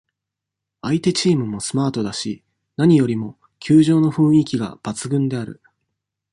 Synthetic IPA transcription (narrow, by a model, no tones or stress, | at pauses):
ait̪e̞t͡ɕiːmɯ̟mo̞sɨ̥maːt̪o̞d̪aɕi | naɲ̟ijo̞ɾʲimo̞ | kʲʰɨːʑo̞ːno̞ɸɯ̟̃ɰ̃ikʲiɡa̰b̥at͡sɨɡɯ̟̃nd̪e̞aɾɯ̟̰